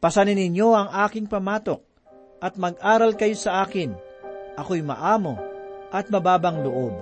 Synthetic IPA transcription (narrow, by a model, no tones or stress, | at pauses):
pɐsɐnɪnɪɲjo̞ɐŋaːkɪŋpɐmaːt̪o̞k̚ | ʔɐt̪̚mɐɡʔaːɾɐlkɐjo̞sɐʔaːkɪnʔɐko̞jmɐ̰ʔaːmo̞ʔɐt̪̚mɐbaːbɐŋd̪oʔob